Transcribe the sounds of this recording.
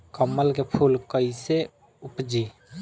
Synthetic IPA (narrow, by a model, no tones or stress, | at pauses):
kəmːəlkepʰuːlkəise | ʊpd͡ʒiː